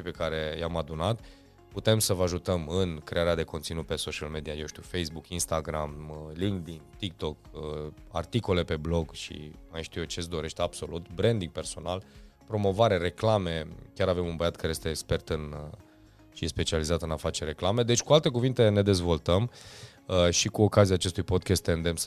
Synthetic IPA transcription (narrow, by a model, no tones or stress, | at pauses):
ʃipe̞kaɾe̞jamad̪unat̪ | put̪e̞msəvəaʒut̪əmɨnkɾe̞aɾead̪e̞ko̞nt̪sinut̪̚pe̞so̞t͡ʃialme̞d̪iaje̞wʃt̪iuwfe̞jsbukinst̪aɡɾamliŋkd̪int̪ik̚t̪o̞k | a̰rt̪iko̞le̞pe̞blo̞ɡʃḭmajʃt̪ijut͡ʃe̞sd̪o̞ɾe̞ʃt̪eab̥so̞lut̪bɾe̞nd̪iŋɡ̚pe̞rso̞nalpɾo̞mo̞vaɾe̞ɾe̞klame̞kʲjaɾave̞munbəjat̪̚kaɾejest̪eːkspe̞rt̪ɨn | ʃiespe̞t͡ʃializat̪ɨnafat͡ʃere̞klame̞d̪e̞t͡ʃʲkualt̪e̞kuvint̪e̞ne̞d̪e̞zvo̞lt̪əm | əʃikuo̞kaziaːt͡ʃe̞st̪ujpo̞d̪̚kʲest̪ːeɨnd̪e̞ms